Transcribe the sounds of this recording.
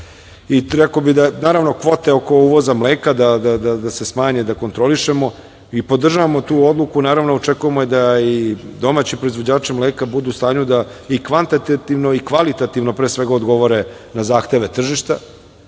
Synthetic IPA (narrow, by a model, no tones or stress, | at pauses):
iɾekobid̪anaːɾaʋno̞kʋo̞t̪e̞oko̞uːʋo̞zamleːkad̪ad̪ad̪ad̪ase̞smaːɲed̪ako̞nt̪ɾo̞liʃemo̞ | ipo̞d̪r̩ʒaʋamo̞t̪uːo̞d̪lˠukunaːɾaʋnoot͡ʂekujemojed̪aid̪o̞maːt͡ɕipɾo̞izvʋo̞d͡ʑaːt͡ʂimleːkabud̪uːst̪aːɲud̪aikʋant̪at̪at̪iʋno̞ikʋalit̪at̪iʋno̞pɾeːsʋeɡaod̪ɡo̞ʋo̞ɾe | nazaːxt̪e̞ʋe̞t̪r̩ʒiʃt̪a